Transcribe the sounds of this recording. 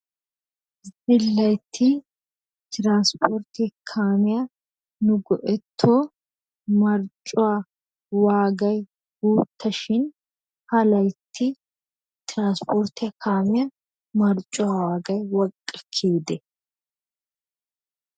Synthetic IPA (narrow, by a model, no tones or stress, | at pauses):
zɪlːɐjt̪ʰːɪ | t̪ɪɾaːnspʰɔɾt̪ɪkʰaːmɪjɐ | nʊɡɔʔɛt̪ʰːoː | mɐɾt͡ʃʼʊwaː | waːɡɐj | ɡuːt̪ʰːɐʃɪn | hɐlɐjt̪ʰːɪ | t̪ɪɾaːnspʰɔɾt̪ɪɐkʰaːmɪjɐ | mɐɾt͡ʃʼːʊwawaːɡɐjwɔkʼːɐkʰːeːd̪ɛ